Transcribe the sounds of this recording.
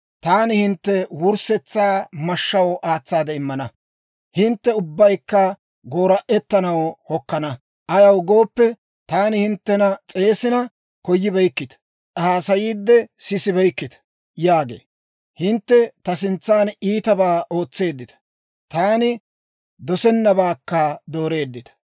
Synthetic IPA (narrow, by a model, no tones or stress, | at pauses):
t̪aːnɪhɪnt̪ːɛwʊɾsɛt͡sːaːmɐʃːɐwʔaːt͡sːaːd̪ɛɪmːɐnɐ | hɪnt̪ːɛʊbːɐjkːɐ | ɡo̞ːɾɐʔɛt̪ːɐnɐwhɔkːɐnɐ | ʔɐjɐwɡoːpːɛ | t̪aːnɪhɪnt̪ːɛnɐt͡sʼe̞ːsɪnɐ | kɔjːɪbɛjkːɪt̪ɐ̥ | haːsɐjiːd̪ːɛsɪsɪbɛjkːɪt̪ɐ̥ | jaːɡe̞̰ː | hɪnt̪ːɛt̪ɐsɪnt͡sːaːniːt̪ɐbaːʔo̞ːt͡sːe̞ːd̪ːɪt̪ɐ̥ | t̪aːnɪ | d̪ɔsɛnːɐbaːkːɐd̪o̞ːɾe̞ːd̪ːɪt̪ɐ̥